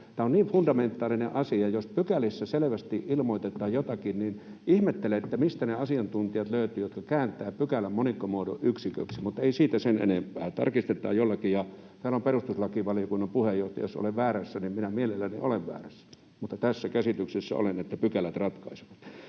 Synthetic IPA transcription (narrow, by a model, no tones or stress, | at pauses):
t̪æːonniːʋfundɑment̪ːˑɑːlinḛʔɑsiɑjospykælisːæseleʋæst̪iʔilmoit̪et̪ːˑɑːjjot̪ɑkinnin | ʔihmet̪ːeleet̪ːæmist̪æneɑsiɑnt̪unt̪iɑt̪løyt̪yːjot̪kɑkæːnt̪ˑæːpykælːæmmonikːomuodo̰ʔʔyksikø̰ksimut̪ːeisiːt̪æsenʔḛnempˑæ̰ːt̪ɑ̰rkist̪et̪ːˑɑ̰ːjjolːɑkijɑt̪æːlomperust̪uslɑkiʋɑlijokunːɑmpuhejjoht̪ɑjo̰so̰leʋʋæːræsːænimminæmielelːænḭʔoleʋʋæ̰ːræsːæ̥ | mut̪ːɑt̪æsːækæsit̪yksesːæ̰o̰lenet̪ːæpykælæt̪rɑt̪kɑiseʋɑt̪